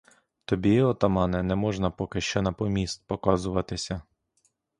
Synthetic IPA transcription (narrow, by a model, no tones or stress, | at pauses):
t̪ɔbʲiɔt̪ɔmɑnɛnɛmɔʒnɐpɔkɪʃt͡ʃɔnɐpɔmʲist̪̚pɔkɑzʊʋɐt̪ɪsʲɐ